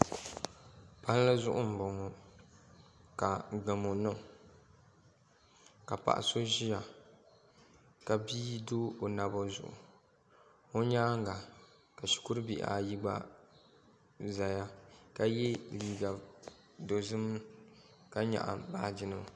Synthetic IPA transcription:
pa˦n˦lɨ˦zʊ˦ʔʊ̰˦m̩˨bɔ˨ŋɔ˦ | ka˨ɡ͡ba˨mo˨nɨ˦˨ | ka˨pa̰˨ʔa̰˨so˦ʒi˦ja˨ | ka˨biː˦doː˦o˨na˨bo˦zʊ̰˨ʔʊ̰˨ | o˦ɲaː˦ŋ˦ɡa˨ | ka˨ʃi̥˨ku˦ɾɨ˦bi˦˨ʔa̰˨ji˦ɡ͡ba̰˦ | za˨ja˦ka˨jɛ˦liː˨ɡa˨ | do˨zɨ˦m˦ | ka˦ɲa̰˨ʔa̰˨baː˦˨d͡ʒɪ˦nɨ˦ma˨

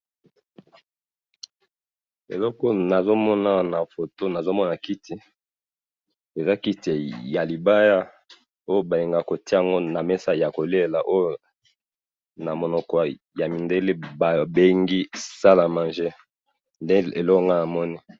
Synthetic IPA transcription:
ḛ˨lɔ˦kɔ˦na˨zo˦mɔ˦na˦na˨fo˨to˦na˨zo˦mɔ˦na˨ki˦ti˨ | e˨za˦ki˦te˨ja˨li˨ba˦ja˦ | o˦jo˦ba˨li˨ŋɡa˨ko˨ti˦a˨ŋɡo˦na˨mɛ˦sa˦ja˨ko˨le˦˨la˨ʔo˦jo˦ | na˨mo˨nɔ˨kɔ˨ | ja˨mi˨nde˦le˦ba˨be˦ŋɡi˦sa˦la˨ma˨nʒe˦ | nde˦e˨lɔ˦kɔ˦˨ŋɡa˦na˨mɔ˦ni˦

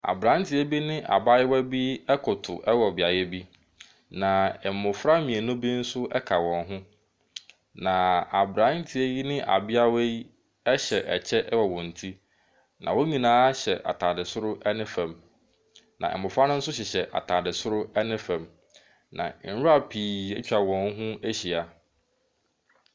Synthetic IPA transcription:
a̰˨bɾã˨˦n˦tʰɪ˨ɛ˦bi˦nɪ̃˦ʔa̰˨ba˦jɪ˦wæ˦bi˦ɛ˦kʰʊ˨tʰʊ˨ʔɛ˦wɔ˨bɪ˨a˨jɛ˦bi˦ | nã˨ɛ˨m˨mʊ̃˨fɾa˦mĩ˨e˨nʊ̃˦bi˦n̩˦sʊ˦ʔɛ˦kʰa˨wɔ̃˨nɦʊ̃˦ | nã˨a˨bɾã˨˦n̩˦tʰɪ˨e˦ji˦nɪ̃˦ʔa̰˨bɪ˦a˦we˦ | ɛ˦ɕɛ˨ʔɛ˨t͡ɕʰɛ˦ʔɛ˦wɔ˨wɔ̃˨n̩˨tʰi˦ | nʔã̰˨wɔ˦ɲĩ˨nãː˦ɕɛ̰˨ʔa̰˨tʰa˨dɪ˨sʊ˦ɾʊ˦ɛ˦nɪ̃˦fæ̃˨m | nʔã̰˨ʔɛ̰˨mː˨ʊ̃˨fɾa˦nʊ̃˦n̩˦sʊ˦ɕ̬ɛ˨ɕɛ˨ʔa̰˨tʰa˨dɪ˨sʊ˦ɾʊ˦ɛ˦nɪ̃˦fæ̃˨m | nã̰˨n̩˦ɾʊ˦a˦pʰiː˨ɛ˦t͡ɕᶣa˨wɔ̃˨n˦ɦʊ̃˦æ˦ɕi˨a˨

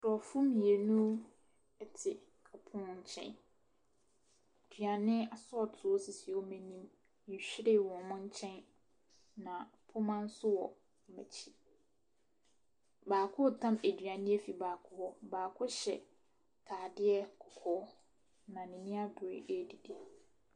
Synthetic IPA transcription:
ɔ˨fʊ̃˦mĩ˨e˨nũ˦ | ɛ˦tʰɪ˨ | kʰa˨pʰʊ̃˦ɲ̩˦t͡ɕʰɛ̰̃˦n˨ | dɥa˨nɪ̃˦a˨sʊ˦ɔ˦˨tʰʊ˨o˦sɪ˨sɪ˨ɔ˦mɛ̃˨nĩ˦m˦ | ɲ̩˨ɕᶣi˦ɾɪ˦˨wɔ̃˨mʊ̃˦ɲ̩˦t͡ɕʰɛ̃˦n | nã˨pʰʊ˦mã˦n̩˦sʊ˦wɔ˨ | mæ̰˨t͡ɕʰi˦ | baː˨kʰʊ˦˨tʰã˦mæ˨dɥa˨nɪ̃˦æ˦fi˨baː˨kʰʊ˦hɔ˦baː˨kʰʊ˦ɕɛ̰˨ | tʰaː˨dɪ˦ɛ˦kʰʊ˨kʰɔː˨˦ | nã˨nĩ˨nĩ˦a˦bʊ˨ɾḛ˨˦ʔe˦˨di˨de˨

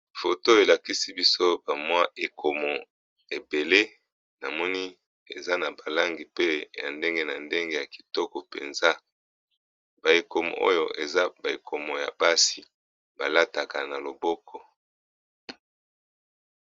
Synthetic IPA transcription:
fo˨to˦e˨la˨ki˦si˦bi˦so˦ba˨mwa˦e˨kʰo˨mɔ˨ | e˨be˨le˦ | na˨mɔ˦ni˦ | ḛ˨za˦na˨ba˨la˦ŋɡi˨pe˦ja̰˨nde˦ŋɡe˦na˨nde˦ŋɡe˦ja˨ki̥˨tɔ˦kɔ˨pḛ˨nza˦ | ba˨e˨ko˨mɔ̰˨ʔo̰˦jo̰˦ʔe˨za˦ba˨e˨kʰo˨mɔ˨ja̰˨ba˦si˨ | ba˨la˦ta˨ka˨na˨lo˨bɔ˦kʰɔ˨

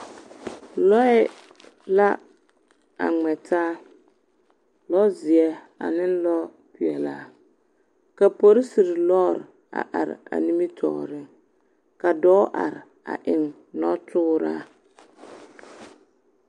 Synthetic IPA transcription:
lɔ˦ɛ˦ | la˦ | a̰˨ŋ͡mɛ˨tʰaː˦ | lɔ˦zɪ˨ɛ˦ | a̰˨nɪ˦n˦lɔ˦ | pɪ˨ɛ˨la˦˨ | ka˨po˦ɾɪ˦si˨ɾɪ˨lɔː˦˨ɾ | a̰˨ʔa˨ɾɪ̰˨a̰˨ni˦mi˦tʰɔ̰˨ɾɪ˦ŋ | ka˨dɔ˦ʔa̰˨ɾɪ˨ | a̰˨ʔɪ˨ŋ | nɔ˦tʰʊː˦ɾa̰ː˦

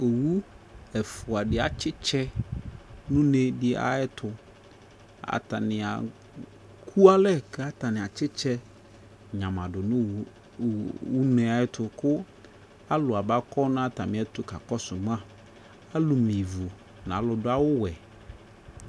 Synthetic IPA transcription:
o˨wu˦ | ɛ˨fʊ˨a˨dɪ˨a˨t͡ʃɪ˦t͡ʃʰɛ˦ | nũ˦ne˦dɪ˦a̰˨ɪ˦tʰʊ˨ | a̰˨ta̰˨nɪ̃˨a̰˨ | kʰu˦a˦lɛ˦kɛ˦a˦ta˨nɪ̃˨a˨t͡ʃɪ˦t͡ʃʰɛ˦ | ɲã˨mã˨dʊ˨nʊ̃˦ | wu˦nɛ̃˨a˨˦ɪ˦tʰʊ˨kʰʊ˦ | a˦lʊ˨a˨ba˦kʰɔ˦nʊ̃˦a˦ta˨mɪ̃˨˦ɛ˦tʊ˦ka˨kɔ˦sʊ˨m˦ã˦ | a˦lʊ˨mĩ˨vu˨ | nã̰˨˦lʊ˨dʊ˦a˦wʊ˦wɛ˨

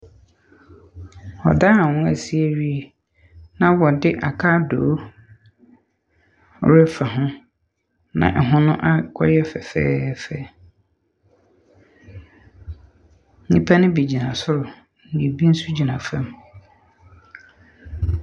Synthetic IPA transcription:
wɔ̰˨daː˦˨wʊ̃˦æ˨si˦æ˦ɥi˦e˨ | nã˦wɔ˨dɪ˦ʔa̰˨kʰa˦doː˨˦ | ʊ̰˨ɾɛ˦fa˨ɦʊ̃˦ | nã̰˨ʔɛ˨ɦʊ̃˦nʊ̃˦ʔa˦kʰɔ̰˦jɛ˦fɛ˨fɛ̰ː˦fɛ˦˨˦ | nĩ˦pʰa˦nɪ̃˦bi˨d͡ʑi˨nã˨sʊ˦ɾʊ˨ | n̩˨nĩ˨bi˦n̩˦su˦d͡ʑi˨nã˨fã˦m

